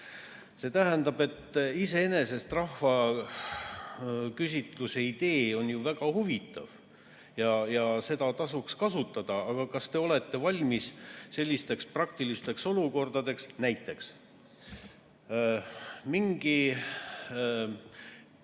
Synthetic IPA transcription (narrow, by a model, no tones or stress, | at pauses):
se̞t̪æɦænd̪ɑb̥e̞t̪ːise̞ene̞se̞st̪rɑhvɑ | kysʲit̪luse̞id̪e̞ːo̞njuvæɡ̥ɑhuvit̪ːˑɑ̰v | jɑjɑse̞d̪̥ɑt̪ɑsukskɑsut̪ːˑɑd̪̥ɑɑɡ̥ɑkɑst̪e̞o̞le̞t̪ːe̞vɑlʲmisːe̞lʲːist̪e̞ksprɑk̚t̪ilist̪e̞kso̞luko̞rd̪̥ɑd̪e̞ksnæjt̪ːˑe̞ks | miŋɡ̥i